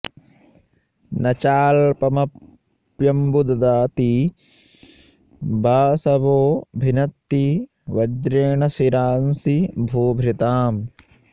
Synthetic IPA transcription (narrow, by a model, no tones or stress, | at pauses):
nɐt͡ʃaːlpɐmɐ | pjɐmbud̪ɐd̪aːt̪i | bʱaːsɐboːbʱinɐt̪ːi | ʋɐd͡ʒɾeːɳɐsiɾaːnsibʱuːbʱɾit̪aːm